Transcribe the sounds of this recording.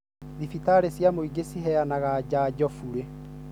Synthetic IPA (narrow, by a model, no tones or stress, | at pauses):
ðifitaɾesjamoiɡesiɦɛjanaɣad͡ʑaːd͡ʑɔfuɾe